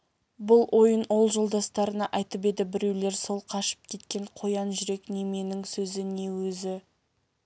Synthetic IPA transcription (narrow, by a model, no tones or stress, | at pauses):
bʊlˠwʔo̞jənwo̞lˠʒo̞lˠd̪ɑst̪ɑɾənɑʔɑjt̪əp̬e̞d̪ɪbɪɾe̞wle̞ɾso̞lˠqʰɑʃə̥p̚kʲʰe̞t̪kʲe̞ɴqʰo̞jɑnʒʏɾe̞kne̞me̞nɪŋsɵzɪne̞wɵzɪ